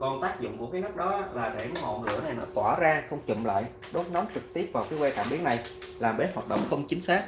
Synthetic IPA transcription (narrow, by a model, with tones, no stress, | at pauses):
kɔ˧nt̪aː˦˥k̚zʊ̰˧˨ŋ͡mku˧˩kaː˨˦jnɨ˦˥k̚ɗɔ˨˦laː˨˩ɗe˧˩nɔ˨˦mo̰˧˨ŋɨ̰˧˩əna˨˩jnə̰ː˧˩˦t̪waː˧˩zaː˧xə˧wŋ͡mt͡ɕḭ˧˨mla̰ː˧˨j | ɗo˨˦nɔ˨˦ŋ͡mt͡ɕɨ˨˩k̚t̪i˦˥əp̚vaː˨˩wkiː˨˦jwɛ˧k̪aː˧˩mɓi˨˦əna˨˩j | laː˨˩mɓe˨˦˥t̚haː˨˩t̚ɗə̰˧˨wŋ͡mxə˧wŋ͡mt͡ɕï˨˦ŋ̟saː˦˥k̚